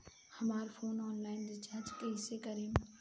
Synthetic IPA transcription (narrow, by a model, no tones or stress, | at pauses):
hɐmaːɾpʰoːnɔːnlaːɪnɾɪt͡ʃaːɾd͡ʒkeɦɪsekəɾiːm